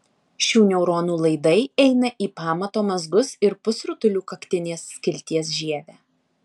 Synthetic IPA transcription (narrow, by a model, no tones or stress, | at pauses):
ʃʲuːnʲɛʊɾoːnuːlˠɐɪd̪ɐɪɛɪnɐʔiːpɑːmɐt̪oːmɐzɡʊsɪɾpʊsɾʊt̪ʊlʲuːkɐkt̪ʲɪnʲeːsːʲkʲɪlʲt̪ʲiɛs̬ʒʲiɛʋʲæː